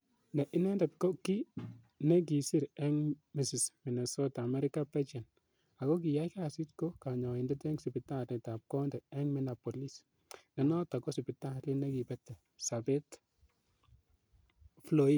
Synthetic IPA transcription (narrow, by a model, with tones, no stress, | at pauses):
nɛ˨ʔɪ˦nɛ˦ndɛ˨tko˦ki˦ | nɛ˦k̬i˨si˦ɾɛ˦ŋmi˨si˨smi˨nɛ˨sɔ˦ta˨mɛ˦ɾɪ˦ka˦pɛ˦t͡ʃɛ˨n | a˨ko˦k̬i˨ja˦ka˦si˦tko˦ka˨ɲɔ˨i˨ndɛ˦tɛ˦ŋsi˨pi˨ta˦˨tnɛ˨ta˨p̚kɔ˦ndɛ˨ɛ˦ŋmi˨na˨po˨li˦s | nɛ˨nɔ˦ta˨kɔ˦si˨pɪ˨ta˦˨li˦nɛ˦ki˨pɛ˦tːɛ˨ | sa˨bɛ˦t | flo˦i˦d̚